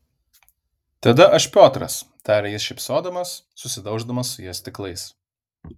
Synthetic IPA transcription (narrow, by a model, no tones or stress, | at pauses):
t̪ɐd̪ɐʔɐʃʲpʲoːt̪ɾɐ̰st̪ɑːɾʲɛjɪsʃʲɛɪpsoːd̪ɐmɐsːʊsʲɪd̪ɒʊʒd̪ɐmɐsːʊjɛsʲt̪ʲɪklˠɐɪs